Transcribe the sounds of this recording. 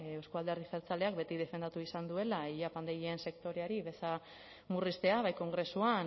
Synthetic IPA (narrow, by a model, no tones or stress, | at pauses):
ewskoald̪e̞rðiseɾt͡sale̞ak̚be̞t̪ið̞e̞fe̞nd̪at̪uisand̪ue̞laiʎapand̪eɣieense̞kt̪o̞ɾeaɾiβe̞sa | murist̪e̞aβajko̞ŋɡɾe̞suan